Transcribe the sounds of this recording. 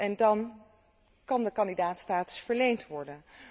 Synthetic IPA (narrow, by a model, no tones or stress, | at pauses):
ɛndɑn | kɑndəkɑndidaːtstaːtə̥sfəɹlejntʋɔɹdən